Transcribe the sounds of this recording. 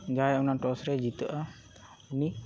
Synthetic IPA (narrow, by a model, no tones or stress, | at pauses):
d͡ʒaːɛʊnaʈoːsɾed͡ʒit̪ʔa | ʊni